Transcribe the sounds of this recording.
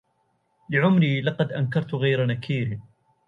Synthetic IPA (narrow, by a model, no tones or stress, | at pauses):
lɪʕʊmɾiːlɑqɑd̪ʔankɑɾˤt̪ɣajɾanakʰiːɾ